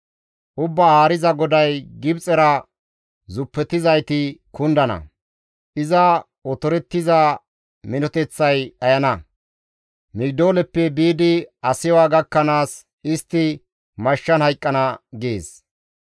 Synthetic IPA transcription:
ʔʊbːaaːɾɪzɐɡɔd̪ɐjɡɪbt͡sʼɛɾɐ | zʊpːɛt̪ːɪzɐjt̪ɪkʊnd̪ɐnɐ̰ | ʔɪzɐ | ɔt̪ɔɾɛt̪ːɪzɐ | mɪnɔt̪ɛt͡sːɐjɐjɐnɐ | mɪɡd̪o̞ːlɛpːɛbiːd̪ɪɐsɪwaːɡɐkːɐnaːs | ʔɪst̪ːɪ | mɐʃːɐnhɐjkʼːɐnɐɡḛːs

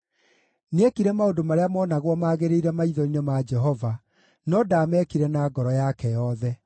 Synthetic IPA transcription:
nekiɾɛmaodomaɾeamɔːnaɣwɔmaːɣeɾeiɾɛmaiðɔɾinɔmad͡ʒɛɦɔva | nɔdaːmɛkiɾɛnaːɡɔɾɔjakɛjɔðɛ

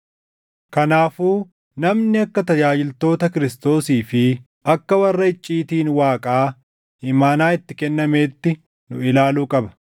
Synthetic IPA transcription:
kɐnaːfuː | nɐmnɪɐkːɐt̪ɐd͡ʒaːd͡ʒɪlt̪o̞ːt̪ɐkɪɾɪst̪o̞ːsiːfɪ | ɐkːɐwɐrːɐɪt͡ʃʼːiːt̪iːnwaːkʼaː | ɪmaːnaːɪt̪ːɪkɛnːɐme̞ːt̪ːɪ | nʊɪlaːluːkʼɐbɐ̥

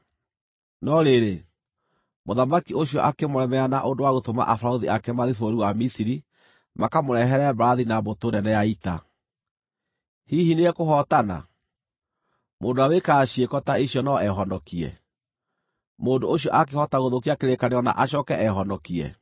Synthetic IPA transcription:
nɔɾeɾe | moðamakioɕiɔʔakemoɾɛmɛanaʔondowaɣotoma̰ʔafaoðiʔakɛmaðifoɾuwamisiɾi | makamoɾɛɦɛɾɛbaɾaðinabotonɛnɛjaita | hihineɛkoɦɔtana̰ | moːndoawekaːɕiekɔtaiɕiɔnɔɛɦɔndɔkiɛ̰ | moːndooɕjɔʔak̬ehɔtaɣoðokiakeɾekaneɔna̰ʔaɕ̬ɔkɛʔɛɦɔndɔkiɛ̰

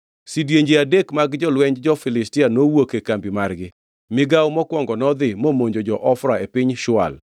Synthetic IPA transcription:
sidjeɲd͡ʒeadekmaɡd͡ʒɔlwɛɲd͡ʒd͡ʒɔfɪlɪstɪanowokekambimarɡɪ | mɪɡawmɔkwɔŋɡɔnɔd̪ɪmomoɲd͡ʒod͡ʒɔʔɔfɾaepɪɲʃʊa̰l

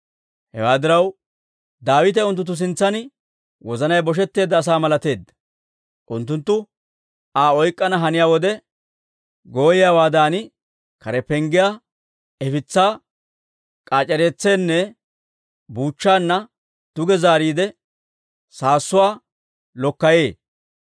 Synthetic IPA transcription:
hɛ̰waːd̪ɪɾɐw | d̪aːwɪt̪ɛʊnt̪̬ːʊt̪̬ːʊs̬ɪnt͡sːɐnɪ | wɔzɐnɐjbɔʃ̬ɛt̪ːe̞ːd̪ːɐːs̬aːmɐlɐt̪e̞ːd̪ːɐ̥ | ʔʊnt̪ːʊnt̪ːʊ | aːɔjkʼːɐnɐɦɐnɪjaːwɔd̪ɛ | ɡo̞ːjɪjaːwaːd̪aːnɪ | kɐɾɛpɛŋɡɪjaː | ɛfɪt͡sːaː | kʼaːt͡ʃʼːɛɾeːt͡sːeːnːɛ | buːt͡ʃːaːnːɐ | d̪̥ʊɡɛzaːɾiːd̪ɛ | saːsːʊwaː | lɔkːɐje̞ː

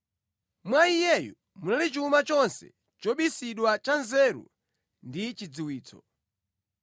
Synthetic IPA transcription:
mwaijɛjɔ̰ | munalit͡ʃumat͡ʃɔnsɛ̰ | t͡ʃɔɓisiɗwat͡ʃanzɛːɾṵ | ndit͡ʃid͡ziwiːt͡sɔ̰

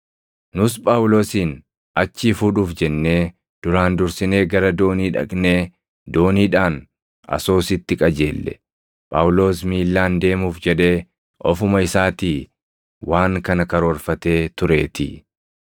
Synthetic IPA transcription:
nʊspʼaːwlo̞ːsiːn | ɐt͡ʃːiːfuːᶑuːfd͡ʒɛnːe̞ː | d̪̥ʊɾaːnd̪ʊɾsɪne̞ːɡɐɾɐd̪o̞ːniːᶑɐ̰kʼne̞ː | d̪o̞ːniːᶑaːn | ɐ̰so̞ːsɪt̪ːɪkʼɐd͡ʒeːlːɛ̰ | pʼa̰ːwlo̞ːsmiːlːaːnd̪e̞ːmuːfd͡ʒɛᶑe̞ː | ʔɔfʊmɐɪsaːt̪iː | wʔaːŋkɐnɐkɐɾoːɾfɐt̪e̞ːt̪ʊɾe̞̰ːt̪ɪ

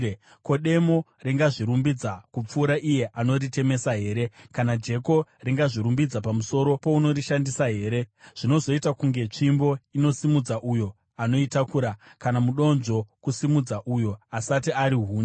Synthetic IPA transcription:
ko̞ɗe̞mo̞ | reŋɡaʐiɾumbid͡zakup͡fuːɾaʔije̞ʔano̞rite̞me̞saɦe̞ːɾe̞kanad͡ʒe̞ko̞riŋɡaʐiɾumbid͡zapamuso̞ɾo̞po̞uno̞ɾiʃandisaɦe̞ːɾe̞ʐ̥ino̞zo̞itakuŋɡe̞t͡ʂimbo̞ino̞simud͡zaʔujo̞ | ano̞itakuːɾakanamuɗo̞nʐo̞kusimud͡zaʔujo̞asatiaɾiɦuːn

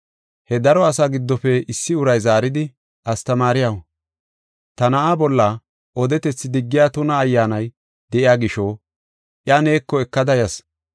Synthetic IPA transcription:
hɛd̪ɐɾɔɐsaːɡɪd̪ːɔfɛɪsːɪʊɾɐjzaːɾɪd̪ɪ | ʔɐst̪ɐmaːɾɪjawɐ | t̪ɐnɐʔabɔlːɐ | ʔɔd̪ɛt̪ɛt͡sːɪd̪ɪɡːɪjaːt̪ʊnɐːjːaːnɐj | d̪̥ɛʔɪjaːɡɪʃo | ʔjane̞ːkːɔɛkːɐd̪ɐjɐs

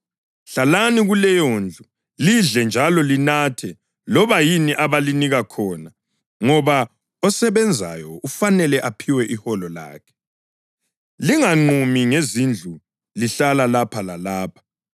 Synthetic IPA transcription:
ɬalaniɣulɛjoːnd͡ɮʱu | liɮɛnd͡ʒʱalɔlinatʰɛ | lɔβajiniʔaβaliniɣakʰɔːna | ŋɔβa | ɔsɛβɛnd͡zʱa̰jɔufanɛlɛʔapʰiwɛʔihɔlɔla̰ːkʰɛ̥ | liŋaŋ͡ǃumiŋezind͡ɮʱu | liɬalalapʰalalaːpʰḁ

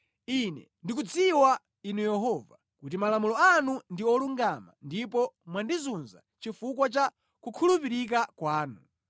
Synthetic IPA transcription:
inɛ̰ | ndik̬ud͡ziwa | inujɛɦɔva | kut̬imalamulɔanundiɔluŋɡama̰ndipɔmwandizunza̰ | t͡ʃifukwat͡ʃa | kukʰulupiɾik̬akwaːnu

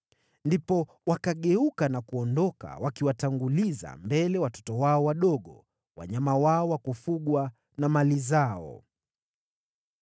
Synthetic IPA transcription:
ndipɔ | wakaɠɛukanakuɔndɔka̰wʔakiwataŋɡuliza̰mbɛlɛwatɔ̥tɔwaɔwaɗɔɠɔ | wa̰ɲamawaɔwakufuɠwa | namalizaɔ̰

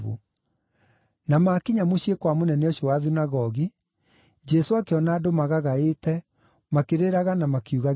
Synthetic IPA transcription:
ṵ | namaːkiɲamoɕiekwamonɛnɛɔɕowaðinaɣɔɣi | d͡ʒɛsoakeɔnaːdomaɣaɣaetɛ | makeɾeɾaɣanamakiuɣa

